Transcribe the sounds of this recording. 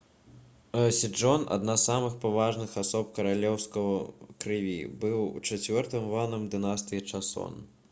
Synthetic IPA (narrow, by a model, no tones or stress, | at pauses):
ɐsʲid͡ʐɔna̰d̪nasːamɨxpavaʐnɨxasɔp̚kɐɾalʲɛwskɐɣɐkɾɨvʲḭbɨwṵt͡ʂat͡sʲvʲɔrt̪ɨmvanɨmd̪ɨnast̪ɨjit͡ʂasɔ̰n